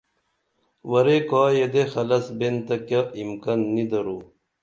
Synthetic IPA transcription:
wɐɾekaːjed̪exɐlɐsbent̪ɐkjaimkanːid̪ɐɾuː

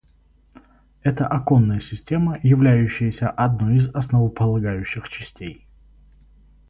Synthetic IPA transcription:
ɛt̪əʔɐkonːəjəsʲɪsʲtʲe̞məjɪvlʲæjʉɕːɪjəsʲəʔɐd̪nojɪzɐsnəvəpəlˠɐɡajʉɕːɪxt͡ɕɪsʲtʲej

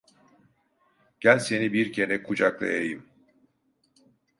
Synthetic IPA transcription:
ɟ̥ælʲse̞nibiɾcʰe̞nɛkʰud͡ʒaklˠa̰jejim

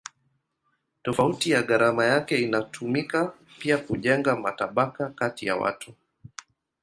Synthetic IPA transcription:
tɔfautijaɠaɾamajakɛinatʰumika | piakuʄɛŋɡamataɓakakatija̰wa̰tʰu

